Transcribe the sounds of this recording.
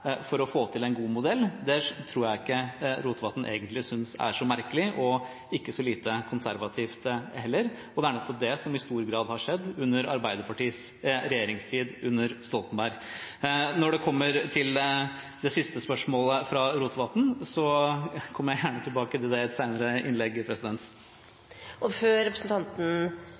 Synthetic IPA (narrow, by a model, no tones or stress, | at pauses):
fɔɾɔfoːt̪ʰɪlɛɪnɡuːmʊd̪ɛlːd̪ɛt̪ʰɾuːɾjæɪɪkːəɾuːt̪ʋɑt̪n̩ʔḛːɡənt̪lɪsʏnsæ̰ʂɔmæɾkəlɪʔɔ | ɪkːəsɔliːt̪əkʰʊnsæɾʋɑt̪ʰiːft̪hɛlːəɾ | ɔd̪ɛæɳɛt̪ːɔp̚d̪ɛsɔmɪst̪uːɾɡɾɑːd̪hɑʂɛd̪ːʉnːəɾɑ̰ɾbæɪd̪əɾpʰɑʈiːs | ɾɛjeːɾɪŋst̪ʰiːd̪ʉnːəɾst̪ɔlt̪n̩bæɾ | nɔɖɛkʰɔmːəɾt̪ʰɪl | d̪ɛsɪst̪əspœʂmoːləfɾɑɾuːt̪ʋɑt̪n̩sɔkʰɔmːəɾjæɪjæːɳət̪ʰɪlbɑːkət̪ʰɪld̪ɛɛt̪sæɪnəɾəɪnlɛɡːɪpʰɾɛsɪd̪ɛnt̪ | ɔføːɾɛpɾəsn̩t̪ʰɑnt̪n̩